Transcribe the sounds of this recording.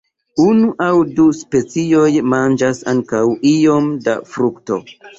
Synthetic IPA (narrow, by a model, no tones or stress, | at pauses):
unuʔawduspe̞t͡sio̞jmand͡ʒasaŋkawio̞mda̰fɾukto̞̰